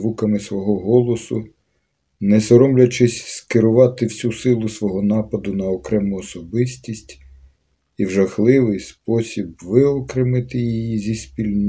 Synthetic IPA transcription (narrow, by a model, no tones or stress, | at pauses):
ʋukɐmɪsʋɔɦɔɦɔlˠɔsʊ | nɛsɔɾɔmlʲɐt͡ʃɪsʲskɪɾʊʋɑt̪ɪwsʲusɪlˠʊsʋɔɦɔnɑpɐd̪ʊnɐɔkɾɛmʊɔsɔbɪsʲtʲisʲtʲ | iwʒɐxlˠɪʋɪjspɔsʲibʋɪɔkɾɪmɪt̪ɪjijizʲispʲilʲn